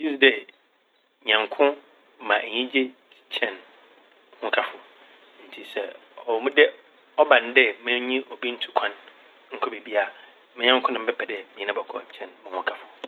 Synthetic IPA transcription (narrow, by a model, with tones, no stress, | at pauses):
ji˦sdɛ˨ | ɲã˨ŋkʰʊ̃˦ | mã˨ʔɛ˨ɲĩ˦d͡ʑe˦˨ | t͡ɕʰɛ̃˦n | hʊ̃˦kʰa˨fʊ˨ | n̩˨tʰi˨sɛ˨ | ɔ˨mũ˦dɛ˦ | ɔ˦bã˨n˨˦dɛ˦mɛ̃˦ɲĩ˦ʔɔ˨bi˦n̩˦tʰu˨kʷʰã˦n | ŋ̩˦kʰɔ˦be˨bi˦a˦˨ | mɪ̃˦ɲã˦ŋkʰʊ̃˦nã˨m̩˦bɛ˦pʰɛ˨dɪ˦mĩ˨nã˦bɔ˨kʰɔ̰˨t͡ɕʰɛ̃˦˨nmʊ̃˨hʊ̃˦kʰa˨fʊ˨